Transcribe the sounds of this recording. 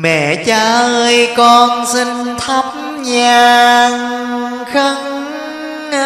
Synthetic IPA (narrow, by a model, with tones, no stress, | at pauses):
mɛ̰˧˨t͡ɕaː˧ʔəː˧jkɔ˧nsi˧ŋt̪ʰa˦˥p̚ | ɲaː˨˧˩ŋ | xə˧ŋ͡m̚